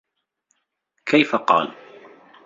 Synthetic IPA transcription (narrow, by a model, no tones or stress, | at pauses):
kʰajfaqɑ̰ːl